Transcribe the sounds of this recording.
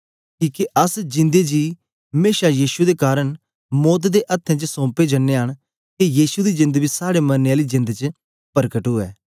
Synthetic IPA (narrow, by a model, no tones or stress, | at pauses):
kiːkeʔəsd͡ʒɪ̃nd̪ed͡ʒiː | meːʃajiːʃud̪ekaːɾəɽ̃ | mɔːt̪̬d̪eʔət̪ʰːɛ̃ːt͡ʃəsõːped͡ʒənːeɦəɳ̃ | kejiːsud̪iːd͡ʒɪ̃nd̪bisaːɽemənjaːlid͡ʒɪ̃nd̪t͡ʃə | pəɾkəʈɦʊːɛ̰ː